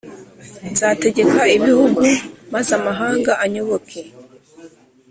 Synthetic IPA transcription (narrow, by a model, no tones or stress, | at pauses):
nzaːte̞ɟe̞kaiβihuɡumazamaɦaːŋɡaʔaɲo̞βo̞kʰe